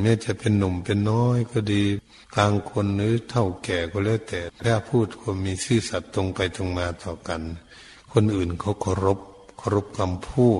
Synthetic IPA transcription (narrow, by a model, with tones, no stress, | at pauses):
mɛː˧˥˨t͡ɕa˧pe˧˨nːo˧˩mpe˨˧nːɔː˧˥jkʰɔː˧˩diː˧ | kaː˧ŋkʰo˧˥nlɯː˨˦˥t̪ʰa˧˩wkɛː˨˩kʰɔː˧˨lɛː˧˥˨t̪ɛː˨˩aː˧˩˨pʰuː˧˩t̪̚kʰɔː˧˩miː˧˥sɯː˧˩sa˧˦t̪ːo˧ŋpa˨jt̪o˧ŋmaː˧t̪ɔː˧˩ka˨n | kʰo˧˨nʔɯː˨˩nkʰa˧˦wkʰɔ˧˦ɾo˧˦˥p̚kʰɔ˧ɾo˧˥p̚ka˧mpʰuː˧˩